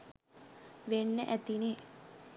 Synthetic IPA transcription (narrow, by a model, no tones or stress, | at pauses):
ʋenːəʔæt̪ineː